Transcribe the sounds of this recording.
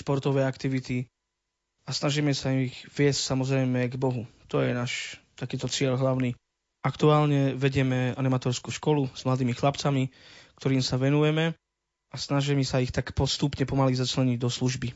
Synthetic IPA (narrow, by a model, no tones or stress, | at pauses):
ʃpɔɾt̪ɔʋɛːakt̪iʋit̪i | asnaʒiːmɛsaiixʋɪɛscsamɔzɾɛjmɛɡbɔɦut̪ɔjɛnaːʃt̪akiːt̪ɔt͡sɪɛʎɦlaʊni | akt̪uaːlɲɛʋɛɟɪɛmɛanimat̪ɔːɾskuːʃkɔluz̥mlad̪iːmixlapt͡samikt̪ɔɾiːmsaʋɛnujɛmɛ | asnaʒɛmisaixt̪akpɔst̪upɲɛpɔmalizat͡ʃlɛɲiɟd̪ɔsluʒbi